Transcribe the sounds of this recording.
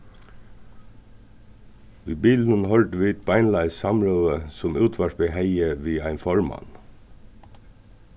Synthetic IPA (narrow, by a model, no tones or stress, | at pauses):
ʋiːbiːl̩n̩hɔlt̪əʋiːt̪̚bæɪnlɑɪsɑmɹœːəsʊmʉːt̪ʰʋæʃbeːhæɪəʋiːæɪnfɔɹmɑ̰n